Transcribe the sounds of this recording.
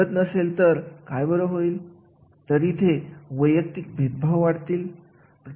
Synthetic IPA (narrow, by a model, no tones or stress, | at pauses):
ət̪nəselt̪əɾkajbəɾəɦoiːl | t̪əɾit̪ʰeʋəjək̚t̪ik̚bʱet̪̚bʱawʋaɽt̪iːl | pɾ